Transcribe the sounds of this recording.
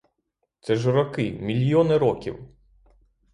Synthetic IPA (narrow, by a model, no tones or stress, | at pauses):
t̪sɛʒɔɾɐkɪmʲilʲjɔnɪɾɔkʲḭw